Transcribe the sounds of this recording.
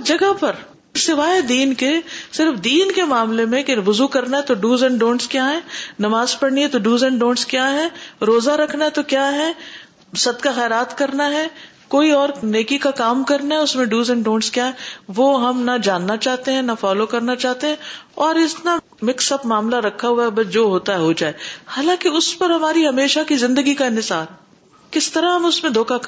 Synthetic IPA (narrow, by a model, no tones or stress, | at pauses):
d͡ʒɐɡəpɐɾ | sɪʋaːɦed̪iːnkesɪɾfd̪iːnkemaːmlemẽkeʋʊzukɐɾnaɦɛt̪oɖuːzɛ̃ɳɖõːnskjaːɦɛːnɐmaːzpɐɽniɦɛt̪oɖuːzɛ̃ɳɖõːnskjaːɦɛɾoːzaɾɐkʰnaɦɛt̪okjaːɦɛ | sɐd̪kaxɛːɾaːt̪kɐɾnaɦɛ | koːiɔːɾneːkikakaːmkɐɾnaɦɛʊsmẽɖuːzɛ̃ɳɖõːnskjaːɦɛʋoːɦɐmnɐd͡ʒaːnːat͡ʃaːɦt̪eɦɛ̃nɐfaːlokɐɾnat͡ʃaːɦt̪eɦɛ̃ɔːɾɪst̪na | mɪksɐpmaːmlaɾɐkʰːaɦuabɐsd͡ʒoːɦoːt̪aɦɛɦod͡ʒaːehaːlãːkiʊspɐɾɦɐmaːɾiɦɐmeːʃakizɪ̃nd̪əɡikaɪ̃nɪsaːɾɦ | kɪst̪ɐɾaɦɐmʊsmẽd̪ʱoːkak